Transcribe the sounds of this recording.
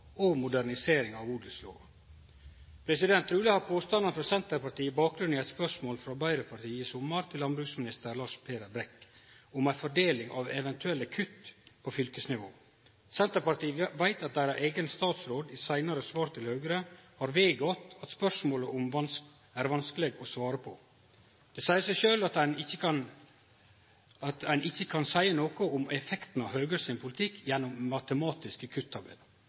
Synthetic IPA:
ɔmʊd̪æɾnɪseːɾɪŋɑʋuːd̪əslo̰ː | pʰɾɛsɪd̪ɛnt̪ʰɾʉːləhɑɾpʰoːst̪ɑnənfɾɑsɛnt̪əɾpɑʈiːbɑːk̚ɡɾʉnɪɛɪt̪spœʂmoːlfɾɑbɑɪɾəpʰɑɾʈ̪ʰiːəɪsʊmːəɾt̪ʰɪlːɑnbɾʉːksmɪnɪst̪əɾlɑːʂpʰeːɾəbɾɛkːʊmæɪfɔɖeːlɪŋɑ̰ʋɛʋɛnt̪ʰʉɛlːəkʰʉt̪pʰɔfʏlkəsnɪʋo̰ː | sɛnt̪əɾpɑɾʈ̪iːʋæɪt̪ɑt̪̚d̪æɾæʔeːɡənst̪ɑːt̪sɾoːd̪ɪsæɪnɑɾəsʋɑːɾt̪ʰɪlhœːɡəɾəhɑɾʋeːɡɔt̪ɑt̪spœʂmoːləʔʊmʋɑns | æɾʋɑnskəlɛɡɔsʋɑːɾəpʰɔ | d̪̥ɛsæɪəsæɪʃøːlɑt̪ænɪçːəkʰɑn | ɑt̪ænʔɪçːəkʰɑnsæɪənoːkɔʊmɛfɛkt̪n̩ɑɦœːɡəsɪnpʰʊlɪt̪ʰɪkʰːjɛnːʊmmːɑt̪əmɑːt̪ɪskəkʰʉt̪ʰːɑɾbɛ̰lə

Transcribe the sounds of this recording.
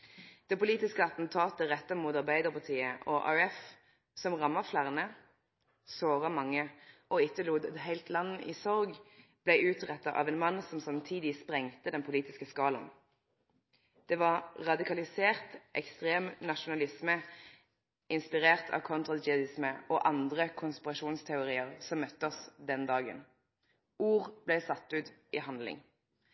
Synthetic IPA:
d̪̥ɛːpʊliːt̪ɪskəɑt̪n̩t̪ʰɑːt̪əʁɛt̪ːəmuːt̪ɑʁbæɪd̪əʁpɑʁt̪ʰiːəʔɔʔɑ̰ʉɛf | sɔmʁɑmːɑflæʁnə | soːʁɑmɑŋːəʔɔːɪt̪ːəluːd̪ɑt̪ɦæɪlt̪ʰlɑnːəʔiːsɔʁɡb̥læɪʉːt̪ʁɛt̪ːɑʔɑ̰ːʋɛːnmɑnsɔmsɑmt̪ʰiːd̪ɪspʁɛŋt̪əd̪ɛnpʰʊliːt̪ɪskəskɑːlɑ̰n | d̪̥ɛːʋɑʁʁɑd̪ɪkʰɑlɪseːʁt̪ʔɛ̰kst̪ʁeːmnɑʃʊnɑlɪsmə | ʔɪnspɪʁeːʁt̪ʰɑ̰ʋkʰɔnt̪ʁɑd͡ʒɪɑd̪ɪsməɔːʔɑnd̪ʁəkʰʊnspɪʁɑʃuːnst̪ʰɛʊʁiːəʁsɔmmœt̪ːəɔsd̪ɛnd̪ɑːɡə̰n | uːʁb̥lɛɪsɑt̪ːʉːt̪ɪːhɑnlɪ̰ŋ

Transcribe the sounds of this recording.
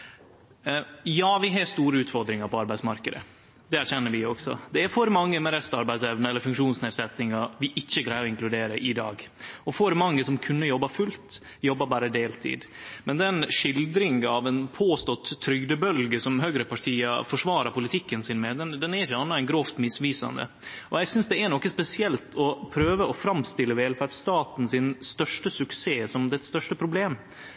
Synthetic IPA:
jɑːʋɪɦɑst̪uːɾəʉːt̪fɔɾd̪ɾɪŋɑɾpɔɑɾbæɪsmɑɾkəd̪ə̰ | d̪ɛæɾçɛnːəɾʋɪɔɡsɔ̰d̪ɛæɾfɔɾmɑŋːəmɛɾɛst̪ɑɾbæɪd̪sɛʋnəɛlːəɾfʉŋkʂuːnsneːd̪sɛt̪ːɪŋɑʋɪʔɪçːəklæɪɔɪŋklʉd̪eːɾəʔɪd̪ɑːɡɔfɔɾmɑŋːəsɔmkʰʉnːəjɔbːɑfʉlt̪ | jɔbːɑbɑːɾəd̪eːlt̪ʰḭːd̪mɛnd̪ɛnʂɪld̪ɾɪŋɑʋɛnpʰoːst̪ɔt̪ʰːɾʏɡd̪əbœlɡəsɔmɦøːɡɾəpʰɑʈʰiːɑfɔʂʋɑːɾɑpʊlɪt̪ʰɪkːənsɪnmɛd̪ɛnd̪ɛnæɾɪçːəɑnːɑæɪnɡɾoːft̪mɪsʋiːsɑ̰nd̪ə̰ | ʔɔjɛɡsʏnsd̪ɛænɔkːəspɛsɪɛlt̪ʰɔpʰɾøːʋəɔfɾɑmst̪ɪlːəʋeːlfæɖst̪ɑːt̪n̩sɪnst̪œʂʈəsʉkseːsɔmd̪ɛt̪st̪œʂʈəpʰɾʊbleːm

